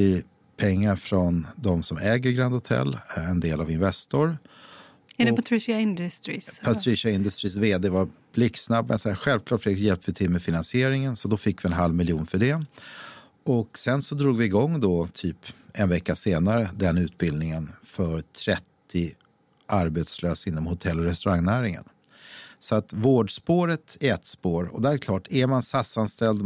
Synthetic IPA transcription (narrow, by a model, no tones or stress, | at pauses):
ɪ | pʰɛŋːaɾfɾɔnd̪ɔmsɔmɛːɡəɾɡɾand̪hʊt̪ʰɛ̰lːɛnd̪eːlavɪnvɛst̪ʊɾ | ɛdɛpat̪ʰɾɪʃɪaɪnd̪st̪ɾipʰat̪ʰɾɪʂaɪnd̪ɵst̪ɾiːs̬veːd̪eːvab̥lɪksnabmɛ̰nsɛaɧɛlvkʰlɑːʈfɪjɛlp̪̚əvɪt̪ʰɪlmɛfɪnansɪeːɾɪŋənsɔd̪ɔfɪkːvɪɛnɦalvmɪljuːnfœɖɛ | ɔksɛnsɔd̪ɾuːɡvɪːɡɔŋːd̪ɔt̪ʰyːpɛnvɛkːaseːnaɾəd̪ɛnːʉ̟ːt̪bɪld̪nɪŋənfœɾt̪ʰɾɛt̪ʰːɪ | ʔaɾbet̪sløːsɪnːɔmhʊt̪ʰɛlːɔɾɛst̪ɵɾaŋːnæːɾɪŋə̰n | sɔat̪voːɖspoːɾət̪ɛɛt̪ːspoːɾɔ̰d̪ɛɾkʰlɑːʈʰæɾmansat̪sanst̪ɛld̪